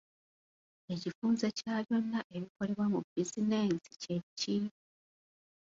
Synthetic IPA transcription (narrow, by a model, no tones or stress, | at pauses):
e̞cifuːnze̞caːβjo̞nːaʔe̞βiko̞le̞βwamubizineːnsi̥ce̞cːi